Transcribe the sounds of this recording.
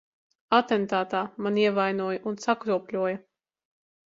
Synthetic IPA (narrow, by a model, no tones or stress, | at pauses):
at̪ɛnt̪aːt̪aːmaniɛvajnuɔjɐʔunsakɾuɔpʲlʲuɔjɐ